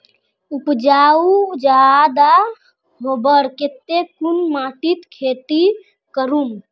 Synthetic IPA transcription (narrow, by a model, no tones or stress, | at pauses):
upd͡ʒaud͡ʒad̪a | ɦobəɾket̪ːekunmaʈit̪kʰet̪i | kəɾum